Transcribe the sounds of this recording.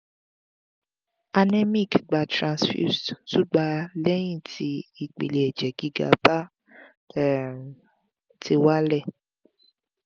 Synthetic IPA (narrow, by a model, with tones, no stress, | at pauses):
a˧nɛ˦mĩ˦˨kɡ͡ba˨tɾã˧nsfjṵ˦˨stu˦ɡ͡ba˧lɛ˦j̃ĩ˦˨ti˧i˨k͡pḭ˨le˨ɛ˨d͡ʒɛ˨ɡ̥i˦ɡa̰˧pa˦˨ | ti˧wa˦lɛ˦˨